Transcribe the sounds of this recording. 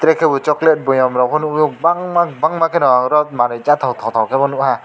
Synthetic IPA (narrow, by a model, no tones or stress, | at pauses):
t̪ɾɛkʰɛbɔt͡ʃɔklɛt̚bɔjɔmɾɔpʰɔnujɔkbaŋmak̚baŋmakʰɛnɔaɾɔt̚maɾɯt͡ʃat̪ʰawt̪ʰɔwt̪ʰawkʰɛbɔnuʔha